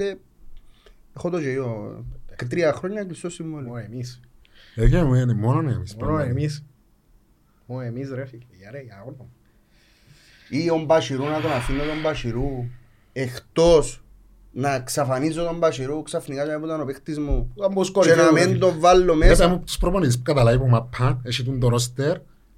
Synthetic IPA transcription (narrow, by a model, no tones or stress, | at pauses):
e | exot̪od͡ʒejokt̪ɾiɐxɾoɲːɐklist̪osimvoloemis | ekemenmononḛmisemis | oemisɾefikejɐɾeɐonom | iombaʃiɾunɐk̪onafinːot̪ombaʃiɾu | ext̪os | nɐksɐfanizːot̪ombɐʃiɾuksɐfnikat͡ʃaput̪ɐnopext̪izmuamboskoenamment̪ovalːomeetemːupt̪u̥spɾoponit̪̬is̬pu̥kɐt̪ɐlɐip̬umapʰːɐeʃit̪und̪oɾost̪eɾ